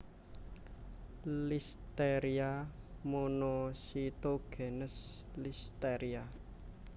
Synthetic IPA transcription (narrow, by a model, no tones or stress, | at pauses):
list̪eɾia | monɔsit̪oɡ̥e̤nəs | list̪eɾia